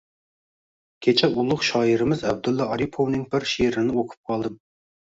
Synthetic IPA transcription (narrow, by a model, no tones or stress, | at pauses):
kʲʰet͡ʃʰɛulˠʊχʃɑːiɾɪmɪzɛb̚d̪ulˠːɑɑɾipʰownɪŋbɪɾʃeɾɪnɪokʰu̥p̚qʰɑlˠd̪ɨm